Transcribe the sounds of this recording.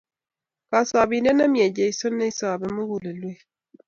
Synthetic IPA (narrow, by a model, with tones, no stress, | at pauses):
ka˨sa˨bi˨n˦dɛ˦na˦mĩ˦˨ɛ˨d͡ʒe˨i˨˦so˦nːe˦i˦sa˨a˨bɛ˨mu˦wu˨lə˨lwe˦˨